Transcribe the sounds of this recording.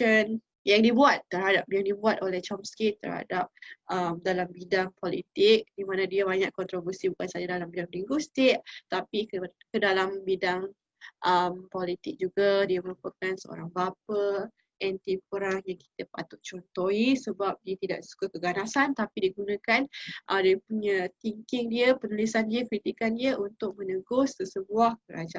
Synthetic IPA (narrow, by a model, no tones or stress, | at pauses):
ən | jaŋdibuat̪ːərhadap̚jaŋdibuat̪̚olɛht͡ʃɔmskit̪ə̰rha̰dap̚ʔəmdalambidaŋpolit̪ɪk̚dimãnadiaβaɲaʔkɔnt̪ɾobərsibukansad͡ʒadalambidaŋdiŋɡust̪ɪʔ̚t̪apikədalambidaŋ | ʔəmpɔlit̪ɪk̚d͡ʒuɡadiəməɾupəkansəo̰ɾaŋbap̚ə | ʔɛnt̪ipəɾaŋjaŋki̥t̪əpa̰t̪ʊʔt͡ʃɔnt̪oisəbap̚diət̪ida̰ʔsu̥kakəɡanasant̪apidiəɡunãkanʔədiəpuɲat̪iŋkɪŋdiəpənulisandiəkɾit̪ikandiəʔunt̪ʊk̚mənəɡʊsːəsəbuahkəɾa̰d͡ʒa